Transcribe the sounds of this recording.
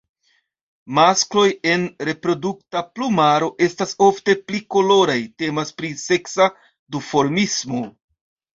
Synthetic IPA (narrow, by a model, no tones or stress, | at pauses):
masklo̞je̞nɾe̞pɾo̞duk̚taplumaɾo̞ʔe̞staso̞fte̞pliko̞lo̞ɾajte̞maspɾise̞ksa | dufo̞ɾmismo̞